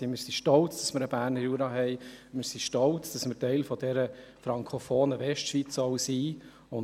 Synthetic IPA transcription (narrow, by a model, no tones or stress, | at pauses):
imɪːɾsiʃtɔlt͡sd̥ɑsmɪɾəb̥æːrnəɾjuːɾɑɦɛɪmɪɾsiʃtɔlt͡sd̥ɑsməɾtɛɪlfɔdɛɾə | fɾɑŋkʰofoːnəʋɛʃtʃʋit͡sɔwsi | ʊn